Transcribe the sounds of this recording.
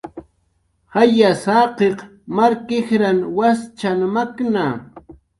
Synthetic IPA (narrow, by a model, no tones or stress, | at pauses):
hajasaːqeqmaɾkɪxɾanwast͡ʃanmakna